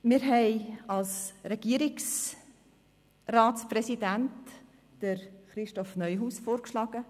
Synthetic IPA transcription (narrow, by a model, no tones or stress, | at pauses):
mɪɾɦɛɪɑlsɾɛɡ̥iəɾiks | raːtsprɛsidænt | d̥əɾχɾɪʃtɔfnœʏɦuːsfoːɾkʃlɑːɡ̥ə